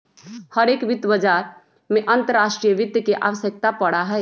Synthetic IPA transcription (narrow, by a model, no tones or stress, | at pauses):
həɾeːkʋɪd̪əbəd͡ʒaɾ | mẽʔənt̪əɾːaːsʈɾijəʋɪd̪jəkeʔa̰ʋəsjək̚t̪apəɽaɦɛ